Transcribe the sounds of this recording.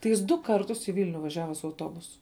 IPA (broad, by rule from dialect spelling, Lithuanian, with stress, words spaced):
tɐɪ ˈjɪs dʊ ˈkɐrtʊs iː ˈʋʲɪlʲnʲʊ ʋɐˈʒʲæːʋɐ sʊ ɐʊˈtoːbʊsʊ